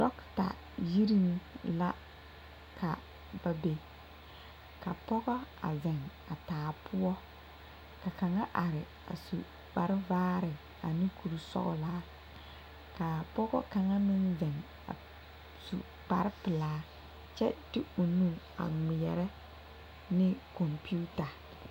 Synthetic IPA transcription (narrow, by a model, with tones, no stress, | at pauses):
dɔ˦kta̰˨ | ji˦ɾi˦ŋla˦ | ka˨ | ba˦be˨ | ka˨pɔ˦ɣɔ˦a̰˨zɛ˨ŋ | a˨taː˨pʰʊ˦ɔ˦ | ka˨ka˨ŋa˦ʔa˨ɾɪ˨ | a̰˨sṵ˨ | k͡pa˨ɾɪ˦vaː˦ɾɪ˨ | a̰˨ni˦kʰu˨ɾu˨sɔ̰˦ɣʊ̰˨laː˦ | ka˨pɔ˦ɣɔ̰˦ka˨ŋa˦nɪ˦nzɛ˨ŋ | a̰˨ | sṵ˨ | k͡pa˨ɾɪ˦pɪ˨laː˨˦ | t͡ʃɛ˦dɪ˦u˨nu˦ | a̰˨ŋɪ˨jɛ˨ɾɛ˦ | nɪ˦kɔ˨mpi˦u˦ta˨